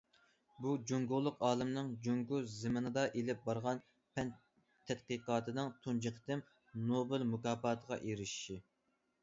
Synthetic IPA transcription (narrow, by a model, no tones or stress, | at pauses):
bud͡ʒuŋɡʊʁlˠːʊqɑːlˠɨmnɨŋd͡ʒoŋɡuzɪmɨnɨd̪ɑʔelɪp̚bɑɾʁɑn | pʰɛn | t̪ʰːɛt̪̚qiqɑːt̪ʰɨd̪ɨŋt̪ʰund͡ʒɨqʰə̥t̪ɪm | nobɪlmukɑːpɑːt̪ʰəʁɑ̰ʔeɾɪʃʃi